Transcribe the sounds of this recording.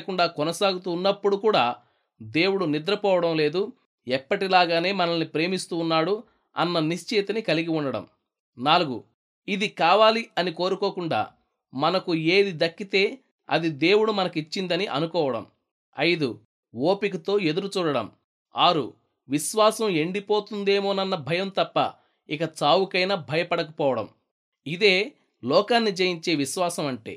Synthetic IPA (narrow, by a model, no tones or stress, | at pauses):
kuɳɖaːkɔnɐsaːɡut̪̬uːnːɐpːuɽukuːɽaː | d̪e̞ːwuɽunid̪ɾɐpɔːʋɐɽɐmle̞ːd̪u | ɛpːɐʈilaːɡaːne̞ːmɐnɐlnipɾe̞ːmist̪uːnːaːɽu | ɐ̰nːɐniʃt͡ʃeːt̪ɐnikɐliɡiuɳːɖɐɽɐ̰m | naːluɡṵ | id̪ikaːʋaːliɐniko̞ːɾuko̞ːkuɳɖa̰ː | mɐnɐkue̞ːd̪id̪ɐkːit̪e̞ː | ɐ̰d̪id̪e̞ːwuɽumɐnɐkit͡ʃːind̪ɐniʔɐnukɔːʋɐɽɐ̰m | ɐ̰jd̪u | woːpikut̪o̞ːe̞d̪uɾut͡ʃuːɽɐɽɐ̰m | aːɾṵ | ʋiʃʋaːsɐme̞ɳɖipoːt̪und̪e̞ːmo̞ːnɐnːɐbʱɐjɐmt̪ɐpːɐ̰ | ikɐt͡ʃaːwukɐjnɐbʱɐjɐpɐɽɐkɐpɔːʋɐɽɐ̰m | id̪e̞ː | lɔːkaːnːid͡ʒɐjiɲt͡ʃe̞ːʋiʃʋaːsɐmɐɳʈḛː